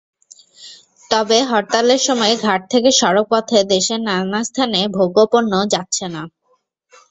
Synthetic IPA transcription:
t̪ɔbeɦɔɾt̪aleɾʃɔmɔeɡʱaʈ̚t̪ʰekeʃɔɾok̚pɔt̪ʰed̪eʃeɾnanast̪ʰanebʱoɡopoɾnːod͡ʑatːɕʰena

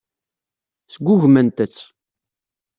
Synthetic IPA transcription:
t͡sːəɡʷːʊʝmænt̪ət͡sː

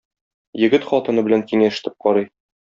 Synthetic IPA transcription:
jɘ̆ɡɘt̪χɒt̪ɤ̆nɤbɘlæŋkiŋæ̆ʃɘ̥̆t̪ɘ̥p̚qɒɾɤj

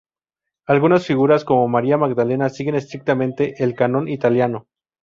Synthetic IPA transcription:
alɣunasfiɣuɾasko̞mo̞maɾiamaɡd̪ale̞nasiɣe̞ne̞st̪ɾik̚t̪amẽ̞nt̪e̞ʔelkanõ̞nit̪aljano̞

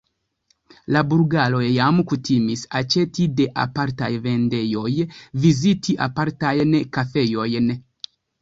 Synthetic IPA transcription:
labuɾɡalo̞jjamkutʰimisat͡ʃe̞tide̞ʔa̰paɾta̰jve̞nde̞jo̞jvizitʰiʔa̰paɾtajnkafe̞jo̞jn

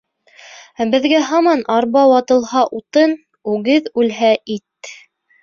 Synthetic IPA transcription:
bɘ̆ðɡæɦɑmɑnɑɾbɑwɑt̪ɤ̆lˠhɑʔut̪ɤn | ʉɡɘðʉlɦæʔit̪

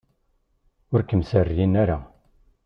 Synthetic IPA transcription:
ʊɾkəmsərːinaɾa

